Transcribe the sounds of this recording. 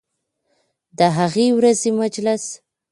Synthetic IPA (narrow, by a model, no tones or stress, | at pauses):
d̪əɦaɣewɾazemad͡ʒlas